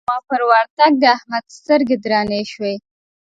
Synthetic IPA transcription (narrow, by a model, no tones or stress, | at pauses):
mɑpəɾwəɾt̪aɡ̚d̪əahmad̪st̪əɾɡed̪ɾɑneʃwe